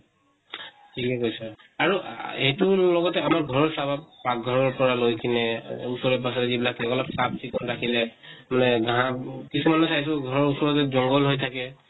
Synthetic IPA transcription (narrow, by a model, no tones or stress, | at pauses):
tʰikɛkojsɛ | aɹuejtulɔɡɔtɛamaɹɡʱɔɹɔɹsabapak̚ɡʱɔɹɔɹpɔɹalojkʰinɛusɔɹɔpas̬ɔtɛzibilatʰaɛɔlɔbsab̚sikɔnɹakʰilɛmanɛɡaɦãkisumanɔsajs̬ɔɡʱɔɹɔɹusɔɹɔtɛzɔŋɡɔlɦojtʰakɛ